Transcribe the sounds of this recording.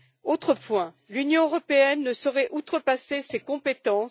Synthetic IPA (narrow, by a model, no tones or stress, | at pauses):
ot̪χəpwɛ̃ | lynjɔ̃øʁɔpeɛnːəsɔʁɛʔut̪χəpasesekɔ̃pet̪ɑ̃